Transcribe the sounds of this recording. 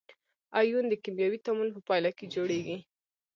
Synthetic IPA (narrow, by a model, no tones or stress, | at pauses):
ɑjund̪əkimjɑwit̪amunpəpɑjlɑked͡ʒoɽeɡi